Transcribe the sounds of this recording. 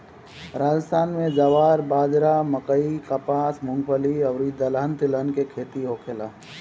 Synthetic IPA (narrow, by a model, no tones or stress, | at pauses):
ɾaːd͡ʒəst̪ʰaːnmẽd͡ʒəʋaːɾbaːd͡ʒɾaməkəikəpaːsmʊ̃ŋɡpʰəliəʋɾid̪əlaːnt̪ɪlənkekʰeːt̪iɦoːkʰeːla̰ː